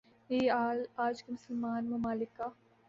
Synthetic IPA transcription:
eːaːlaːd͡ʒkimʊsəlmaːnmɐmaːlɪkːa

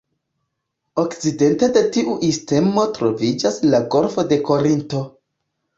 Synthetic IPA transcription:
okt͡side̞nte̞de̞tiʔuʔiste̞mo̞tɾo̞vid͡ʒaslaɡo̞ɾfo̞de̞ko̞ɾinto̞

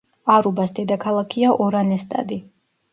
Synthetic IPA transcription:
aɾubasd̪ɛd̪akʰalˠakʰiaʔɔɾanɛst̪ʼa̰d̪i

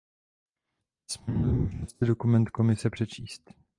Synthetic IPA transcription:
smsɪdo̞kumɛnt̪ko̞mɪsɛpr̝̥ɛt͡ʃiːst̪

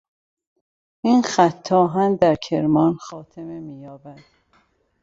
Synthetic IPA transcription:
inxæt̪ʰːɒːɦænd̪æɾkʰeɾmɒːnxɒːt̪ʰememiːjɒːbæd̪̥

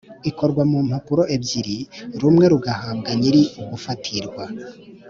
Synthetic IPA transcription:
ikʰo̞ɾɡwamum̥hakuɾo̞ʔebziɾiɾumŋe̞ɾuɡahaːbɡaɲiɾiuɡufatʰiɾɡwa

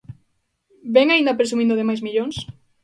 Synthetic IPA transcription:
bɛŋaĩnd̪apɾes̬umĩnd̪ʊðemajzmiʎõŋs

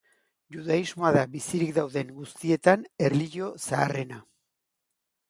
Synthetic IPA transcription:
ʝuðaizmo̞aðaβisiɾikd̪awðe̞ŋɡust̪ie̞t̪ane̞ɾliʝo̞saːre̞na

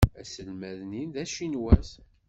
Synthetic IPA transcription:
æsəlmæðninðæʃinwæs

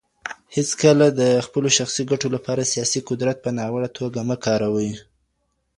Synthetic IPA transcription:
hɪskəlad̪əxpəloʃaxsiɡaʈolapɑɾasijɑsiqʊd̪ɾat̪̚pənɑwəɽat̪ʰoɡaməkɑɾawəi

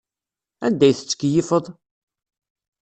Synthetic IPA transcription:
ænd̪æjθə̥t͡sːə̥kːjifəðˤ

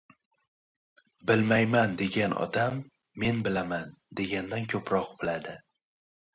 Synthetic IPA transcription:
bɪlmajmand̪e̞ɡʲanʔɒ̰d̪amː | e̞nbɪlamand̪e̞ɡʲand̪ankʲʰɵpɾɒqbɪlad̪ɪ

